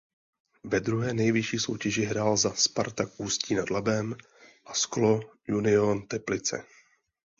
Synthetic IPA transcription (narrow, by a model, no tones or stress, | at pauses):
vɛd̪ɾuɦɛːnɛjvɪʃiːso̞wcɛʒɪɦɾaːlzaspaɾt̪akʔuːsciːnadlabɛm | ʔasklojunɪont̪ɛplɪt͡sɛ̰